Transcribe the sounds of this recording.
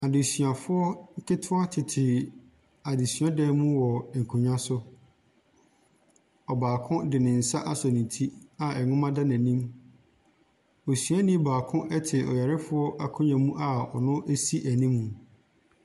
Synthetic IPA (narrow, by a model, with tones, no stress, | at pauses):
a˨dɪ˨sɥa˨fʊ˦ɔ˦ŋ̩˦kɪ˦tʰʊ̃˦a˦tʰɪ˨tʰɪ˨ | a˨de˨sɥã˦dɛ˦mũ˦wɔ˨ŋ̩˨kʰũ˨ɲᶣã˦sʊ˦ | ɔ˨baː˨kʰʊ̃˦dɪ˨nɪ̃˨n̩˨sa˦ʔa˦sɔ˨nĩ˨tʰi˦a˨ɛ˨nʊ̃˦mã˦da˦nã˨nĩ˦m | o˨sɥa˦nĩ˦baː˨kʰʊ̃˦ʔɛ˦tʰɪ˨ɔ˨ja˨ɾɪ˦fʊ˦ɔ˦ʔa˨kʰʊ̃˦ɲã˨mũ˦ʔa˨ɔ˨nʊ̃˦ʔe˦si˦ʔæ˨nĩ˦mũ˨